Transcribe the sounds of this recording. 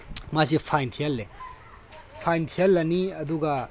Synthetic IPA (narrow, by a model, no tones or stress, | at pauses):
masipʰajntʰielːe | pʰajntʰielːɐniɐduɡɐ